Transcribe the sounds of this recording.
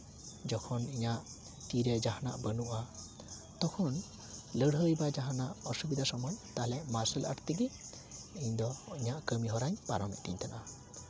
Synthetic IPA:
d͡ʒɔkʰɔniɲaʔ | t̪iɾɛd͡ʒaɦana̰ʔbənuʔa | t̪ɔkʰɔn | ləɽɦəjbad͡ʒaɦanaʔɔsubid̪asɔmɔjt̪alɛʔmaɾsɛla̰ʈt̪iɡi | iɲd̪ɔiɲaʔkəmiɦɔɾaɲpaɾɔmɛ̰t̪ḭɲt̪ʰana

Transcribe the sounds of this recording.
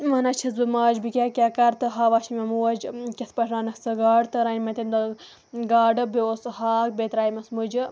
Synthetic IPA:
mɐnɐt͡ʃʰɐsbɨmaːd͡ʒbikʲaːkʲaːkɐɾt̪ɨɦaːʋaːʃimɐmuwɐd͡ʒkʲɐspɐʈʰɾaːnɐsɨɡaːɖt̪ɨɾɐnʲmɐt̪ind̪ɐ | ɡaːɖɐboːshaːk̚bet̪ɾaːjmɐsmud͡ʒɨ

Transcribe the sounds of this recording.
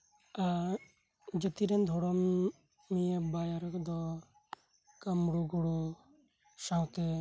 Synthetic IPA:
a | d͡ʒət̪iɾɛnd̪ʱɔɽɔmː | ijebajaɾkd̪ɔ | kamɽuɡɔɽu | saw̃t̪ɛ

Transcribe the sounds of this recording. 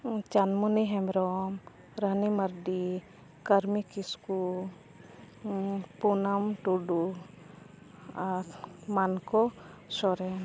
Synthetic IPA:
t͡ʃanmuniɦɛmɾɔm | ɾəniməɾɖi | kaɾmikisku | punamʈuɖu | aɾmankɔsɔɾɛn

